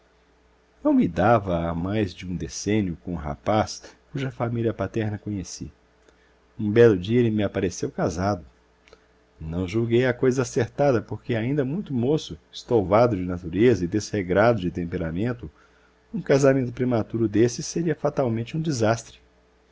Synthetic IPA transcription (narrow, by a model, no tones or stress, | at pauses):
nɐ̃w̃mɪd̪avɐamajzd͡ʒɪũd̪esẽnjʊkõɦa̰paskuʒɐfamiliɐpat̪ɛɾnɐkõɲesḭ | ũbɛlʊd͡ʒiɐelɪmɪapaɾesewkazad̪ʊ | nɐ̃w̃ʒuɡejakojzɐaseɾt̪ad̪ɐpoɾkeaĩnd̪ɐmũj̃t̪ʊmosʊɪst̪owvad̪ʊd͡ʒɪnat̪uɾezɐɪd̪esheɡɾad̪ʊd͡ʒɪt̪ẽmpeɾamẽnt̪ʊ | ũkazamẽnt̪ʊpɾemat̪uɾʊd̪esɪseɾiɐfat̪awmẽnt͡ʃɪũd͡ʒizast̪ɾɪ̥